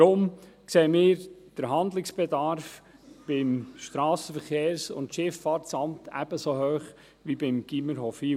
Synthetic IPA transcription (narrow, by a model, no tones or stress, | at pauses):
ɾʊmkseːəmɪːɾd̥əɾɦɑnd̪lɪksb̥edɑɾf | b̥ɪmʃtɾɑːsəfəɾχeːɾsʊ̰ntʃɪfɑːtsɑmt̪ʰæ̰b̥əsoɦhøːχ | ʋibɪmɡ̥iməɾɦɔfi